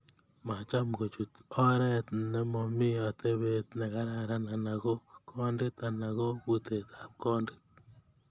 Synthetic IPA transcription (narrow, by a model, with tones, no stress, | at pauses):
ma˨t͡ʃa˦mɡo˨t͡ʃu˨t̪ɔ˦ɾɛ˦t̪nɛ˦mɔ˨mɪ˦a˨t̪e˦βe˦t̪nɛ˨ɣa˦ɾa˦˨ɾa˦na˨na˨ɣɔ˦kʰɔ˦ndɪ˦t̪a˨na˨ɣo˦βu˦t̪e˨t̪a˨p̚kɔ˦ndɪ̥˦t̚